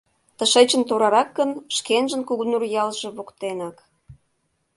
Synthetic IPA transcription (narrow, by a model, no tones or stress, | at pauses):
t̪əʃet͡ɕə̆nt̪oɾɑɾɑkːənʃkenʒə̆nkuɣunurjɑlʒĕβokt̪enɑk